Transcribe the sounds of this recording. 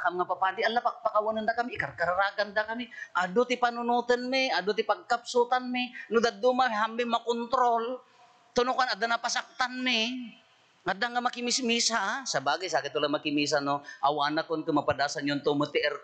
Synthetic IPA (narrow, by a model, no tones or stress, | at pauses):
kamŋapapaːd̪ɪʔalːapak̚pakawanand̪akamɪʔɪkaɾkaɾaɾakand̪akamɪʔad̪ʊt̪ɪpanʊnut̪ənmɪad̪ʊt̪ɪpaɡ̚kap̚sut̪anmɪnʊd̪ad̪umaɦamːɪmakont̪ɾol | t̪ʊnʊkanad̪anapasak̚t̪anmɪ | ŋad̪aŋamakɪmɪsmisasabaːɡajsaːkɪt̪ʊlamakɪmis̬anoʔawanakʊnkʊmapad̪aːsanjont̪omʊt̪ɪʔɛɾ